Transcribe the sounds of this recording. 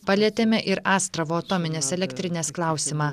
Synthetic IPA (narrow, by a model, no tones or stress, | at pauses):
pɐlʲiɛt̪ʲemʲɛʔɪɾɑːst̪ɾɐʋoːɐt̪ɔmʲɪnʲeːsɛlʲɛkʲt̪ʲɾʲɪnʲeːsklˠɑˑʊsʲɪmɑː